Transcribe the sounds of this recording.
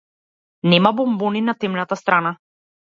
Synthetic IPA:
nɛmabɔmbɔninat̪ɛmnat̪ast̪ɾana

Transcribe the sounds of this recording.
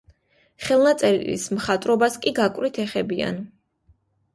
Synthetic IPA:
χɛlˠnat̪sʼɛɾḭlḭsmχat̪ʼɾɔbaskʼiɡakʼvɾit̪ʰɛχɛbia̰n

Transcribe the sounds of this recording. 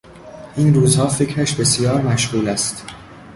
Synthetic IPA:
ʔiːnruːzhɒːfecʰɾæʃbe̞sijɒːɾmæʃʁuːlæst̪

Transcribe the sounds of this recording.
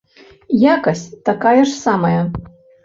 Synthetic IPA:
jakɐsʲt̪akajɐʂsamɐjɐ

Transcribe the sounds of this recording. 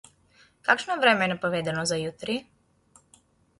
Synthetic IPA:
kakʃnɔvɾɛmɛːnapɔvɛd̪ɛnozajut̪ɾi

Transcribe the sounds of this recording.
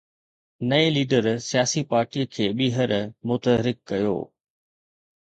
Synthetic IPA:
nɐeliːɖəɾsijaːsipaːɾʈiəkʰeːɓiːɦəɾmʊt̪əɦɾɪkːɐjo̰ː

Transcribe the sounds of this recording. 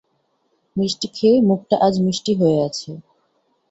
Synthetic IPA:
mɾiʃʈikʰemuk̚ʈaʔad͡ʑmɾiʃʈiɦoeat͡ɕʰe

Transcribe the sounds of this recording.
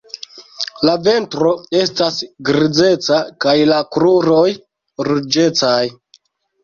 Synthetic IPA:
lave̞ntɾo̞e̞stasɡɾid͡ze̞t͡sakajlakɾuɾo̞j | ɾud͡ʒe̞t͡saj

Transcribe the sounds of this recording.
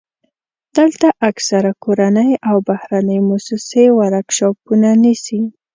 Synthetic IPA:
d̪̥əlt̪aʔaksaɾakoɾanəjawbahɾanəjmʊsɪsewaɾakʃɑpunanisi

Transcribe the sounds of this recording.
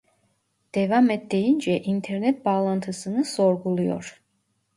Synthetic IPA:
d̪̥evamet̪d̪e̞jind͡ʒɛʔint̪ʰeɾnɛt̪̚baːlˠant̪ʰɯsɯnɯso̞ɾɡulˠujo̰ɾ

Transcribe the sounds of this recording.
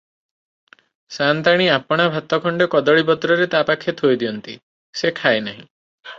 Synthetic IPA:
sant̪aɽ̃iapɔɽ̃abʱat̪ɔkʰɔɳɖekɔd̪ɔɭipɔt̪ɾɔɾet̪apakʰːjet̪ɦojd̪iɔnt̪ḭ | sekʰaenaɦĩ

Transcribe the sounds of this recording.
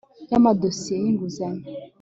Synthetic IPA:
jamadosieiŋɡuzɛŋ

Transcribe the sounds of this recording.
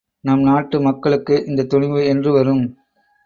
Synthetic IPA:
naːmnaːʈːɯmɐkːɐɭɯkːɯʔɪnd̪ɐt̪ʊɳɪmɯɛndrɯʋɐɾɯm

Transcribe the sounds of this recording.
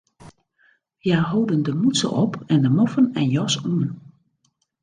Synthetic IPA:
jaːɦowdəndəmutsə̰ʔɔpʰɛndəmɔfənɛnjɔsuən

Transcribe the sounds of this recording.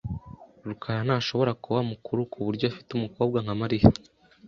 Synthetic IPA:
ɾukʰajan̥aːʃo̞βo̞ɾakuβamukʰuɾukʰuβuɾɟoafi̥tumuko̞ːb̚ɡaŋamaɾija

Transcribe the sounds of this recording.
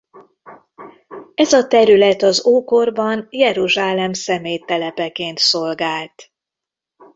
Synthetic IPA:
ɛzɒt̪ɛɾylɛt̪ɒzoːko̞rbɒnjɛɾuʒaːlɛmsɛmeːjt̪ɛlɛpɛkeːnt̪so̞lɡaːlt̪

